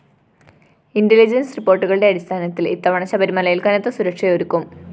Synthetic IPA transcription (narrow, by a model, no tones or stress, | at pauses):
indilid͡ʑɐnsripːo̞ːrʈːuɣɐɭɨɽe̞ɐɽist̪ʰaːnɐt̪ːilḭt̪ːɐʋɐɳɐɕɐbɐɾimɐlɐjilkɐnɐt̪ːɐsuɾɐkʂɐjoɾukːum